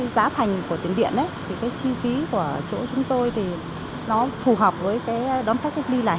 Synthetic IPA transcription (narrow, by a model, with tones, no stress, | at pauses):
za̰ː˨˦t̪ʰa˨˩jŋ̟ku˧˩ət̪i˨˧˩ənɗḭ˧˨ənʔə˨˦jt̪ʰi˨˩kaː˨˦jt͡ɕi˧fi˨˦ku˧˩ət͡ɕo̰˧˥t͡ɕʊ˨˦ŋ͡mt̪o˧jt̪ʰi˨˩ | nɔ˨˦fu˨˩ɦəː˨˩wk͡p̚vəː˨˦jkaː˨˦jɗɔ˨˦nt̪a˦˥k̚kːa˦˥jk̟̚li˧la̰ː˧˨